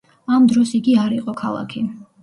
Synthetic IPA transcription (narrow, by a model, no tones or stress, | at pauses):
amd̪ɾɔsiɡiaɾiqʼɔkʰalˠa̰kʰi